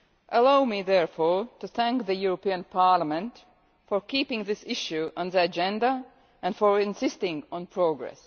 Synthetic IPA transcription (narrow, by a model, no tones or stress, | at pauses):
ʔəlaʊmiːðɛɹfɔɹtuθæ̃ŋkðəjuɹopiə̃npʰaɹlamɛ̃nt | fɔɹkiːpɪ̃ŋðɪsɪʃjuɔ̃nðiad͡ʒɛ̃nda | ʔæ̃ndfɔɹɪ̃nsɪstɪ̃ŋɡɔ̃npʰɹoɡɹɛ̰s